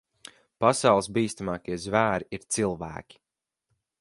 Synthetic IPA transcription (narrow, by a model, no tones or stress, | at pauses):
pasawlˠsbiːst̪amaːkiɛzvæːɾiiɾt̪silˠvæ̰ːkʲi̥